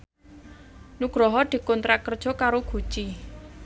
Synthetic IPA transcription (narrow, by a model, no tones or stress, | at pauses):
nuɡ̥ɾɔɦɔd̪̥i̤kɔnt̪ɾakərd̥ʒ̥ɔ̤kaɾoɡ̥ṳt͡ʃi